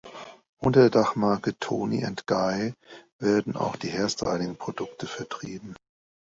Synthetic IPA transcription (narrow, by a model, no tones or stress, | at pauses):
ʔʊntɐdeːɐdaχmaɐkətʰoːnḭʊntɡ̥aɪveːɐdn̩a̰ʊxd̥iːhɛɐstʰa̰ɪlɪŋpʁ̥odʊktʰəfɛɐtʁ̥iːbm̩